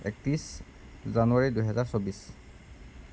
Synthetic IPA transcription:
ɛ̰k̚tɹis | zanuaɹidujɦɛzaɹsobis

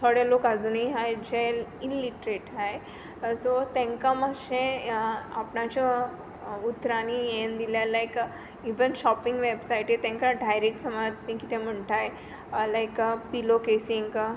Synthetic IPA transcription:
t̪ʰoɽelokad͡zuniɦajd͡ʑelinliʈɾeʈɦaj | sot̪ẽŋkamaɕẽapɳat͡ɕɔ | ut̪ːɾanijend̪iljalajk | iʋənɕɔpĩŋɡʋebsaiʈjet̪ɛ̃ŋkaɖʱajɾeksəmat̪nĩkit̪ʰẽm̤əɳʈ̪aj | lajkpilokesĩŋɡ

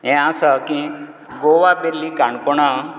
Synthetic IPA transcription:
ɦɛ̃asəkĩ | ɡoʋapelːikaɳkɔɳa

